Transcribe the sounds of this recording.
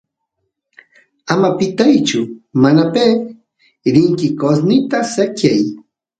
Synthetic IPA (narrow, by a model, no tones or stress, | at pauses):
amapɪt̪ajt͡ʃʊmanapeː | ɾɪŋkɪkosnɪt̪asakjaj